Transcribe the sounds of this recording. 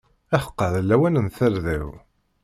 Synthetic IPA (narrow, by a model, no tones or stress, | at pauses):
æħə̥qːəðəlːæwænənθæɾðæw